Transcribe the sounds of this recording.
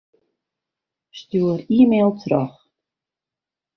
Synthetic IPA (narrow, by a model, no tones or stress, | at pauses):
st̪uːəɾiːmelˠt̪ʰɾɔχ